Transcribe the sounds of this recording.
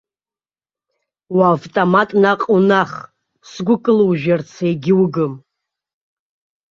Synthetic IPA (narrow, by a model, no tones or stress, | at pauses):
waːvtʼomatʼnaqʼunaχ | sɡʷʊkʼɨlwʒᶣart͡sʰejɡʲɪwɡɨm